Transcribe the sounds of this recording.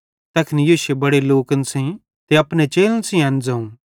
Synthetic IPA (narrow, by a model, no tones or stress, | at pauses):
t̪ɐkʰnijoːʃebɐɽeloːkənsẽ | t̪eɐpnet͡ʃeːlənsĩɐ̃nd͡zɐũː